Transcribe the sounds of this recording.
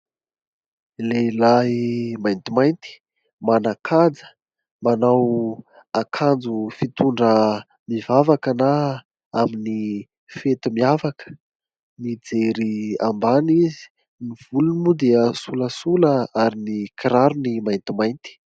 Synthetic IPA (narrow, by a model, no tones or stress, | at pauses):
lelaɦimajnt̪imajnt̪i̥ | manakʰad͡zə̥ | manaw | akʰand͡zufit̪uɳɖ͡ʐə | mivavakana | amini | fet̪imiavakə̥ | nid͡zeɾia̰mbanizi̥ | niv̥ulunimud̪eəsuləsuləaɾinikiɾaɾunimajnt̪imajnt̪i̥